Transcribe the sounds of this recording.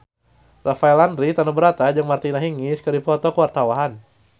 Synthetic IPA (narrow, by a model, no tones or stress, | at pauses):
rafaɛlandɾit̪anubəɾat̪ad͡ʒɨŋmart̪inaɦiŋiskədipɔt̪ɔkəwart̪awaɦan